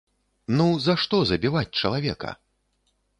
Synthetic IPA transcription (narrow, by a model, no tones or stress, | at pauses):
nuzaʂt̪ɔzɐbʲivat͡sʲt͡ʂɐlˠavʲɛkɐ̰